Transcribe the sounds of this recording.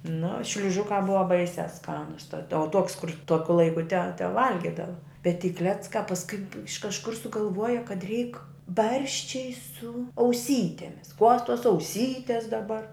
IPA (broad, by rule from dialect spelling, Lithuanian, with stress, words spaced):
nʊ ʃʲlʲʊˈʒʊkɑː ˈbʊʋɐ ˈbɐɪsʲæː ˈskɑːnʊs tɐt oː tuɔkʲs kʊr ˈtuɔkʲʊ ˈlˠɐɪkʊ tʲɛ tʲɛˈʋɐlʲɡʲɪdɐʋɐ bʲɛt tʲiː ˈklʲæːt͡skɑː pɐsˈkʊɪ ɪʃ kɐʃˈkʊr sʊɡɐlˠˈʋuɔjɛ kɐt rʲɛɪk ˈbɐrʲʃʲt͡ʃʲɛɪ sʊ ɐʊˈsʲiːtʲɛmʲɪs kuɔs tuɔs ɐʊˈsʲiːtʲeːs dɐˈbɐr